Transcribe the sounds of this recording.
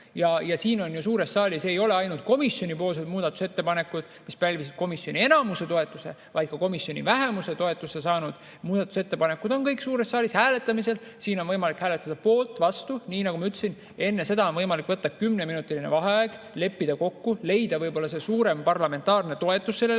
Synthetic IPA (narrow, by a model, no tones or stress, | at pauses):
jɑjɑsiːno̞njusuːɾe̞ssɑːlʲiseːjo̞le̞ɑjnult̪̚ko̞misjo̞nʲipoːls̬ed̪muːd̪̥ɑt̪ːˑu̥se̞t̪ːe̞pɑne̞kːud̪̥mispælʲvis̬id̪̥̚ko̞misjo̞nʲie̞nɑmuse̞t̪o̞e̞t̪ːˑuse̞̰ | vɑjd̪̥kɑko̞misjo̞nʲḭvæɦe̞muse̞t̪o̞e̞t̪ːˑuse̞sɑːnud̪̥ | muːd̪̥ɑt̪ːˑu̥se̞t̪ːe̞pɑne̞kud̪o̞nkɤjksuːɾe̞sːɑːlishæːle̞t̪ːˑɑmise̞l | siːnonvɤjmɑlikhæːle̞t̪ːˑɑd̪̥ɑpo̞ːlt̪ːˑvɑst̪uniːnɑɡumɑyt̪ːsin | e̞nːe̞se̞d̪ɑonvɤjmɑlikːvɤt̪ːɑkymne̞minut̪ːˑiline̞̰vɑɦeæːɡ̥ | le̞pːid̪ɑko̞kːule̞jd̪̥ɑvɤjbo̞lːɑs̬e̞suːɾe̞mpɑrlɑme̞nt̪ːˑɑːrne̞t̪o̞e̞t̪ːˑusːe̞lːe